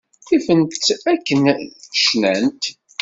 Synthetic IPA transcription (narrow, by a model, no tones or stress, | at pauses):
θifənt̪ækːənʃnænt̪